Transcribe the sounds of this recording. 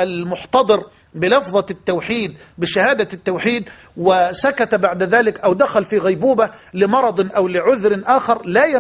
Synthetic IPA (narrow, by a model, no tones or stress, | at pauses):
ʔalmʊħt̪ɑd̪ˤɨɾ | bɪlɑfðˤɑt̪ːawħiːd̪̚ | bɪʃahaːd̪at̪ːawħiːd̪ | wɪsakat̪baʕd̪aðaːlɪkʔawd̪axalfiːɣajbuːbalɪmɑɾˤɑd̪ˤʔawlɪʕʊðɾɪʔaːxɑɾˤlaːja